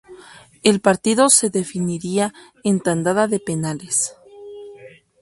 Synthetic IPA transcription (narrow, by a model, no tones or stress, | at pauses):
e̞lpaɾt̪iðo̞se̞ðe̞finiɾia | ent̪and̪aðaðe̞pe̞nales